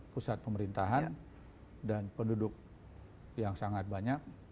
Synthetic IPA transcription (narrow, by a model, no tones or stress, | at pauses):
pusat̪̚pəməɾint̪aɦan | danpəndudʊk̚ | jaŋsaŋat̪̚baɲak̚